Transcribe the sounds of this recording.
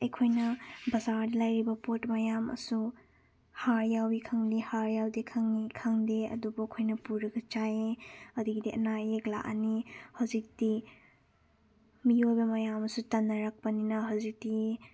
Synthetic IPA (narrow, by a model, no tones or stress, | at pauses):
ɐjkʰojnɐbɐzaɾdilajɾibɐpotmɐjamɐ̰su | haɾjawikʰaŋdihaɾjawdekʰaŋikʰaŋdeɐ̰dubukʰojnɐpuɾɐɡɐt͡ʃajeɐdiɡdiɐ̰naekla̰ʔa̰nihazik̚di | mijojbɐmɐjamɐsutɐnːɐɾak̚pɐninɐɦawzik̚di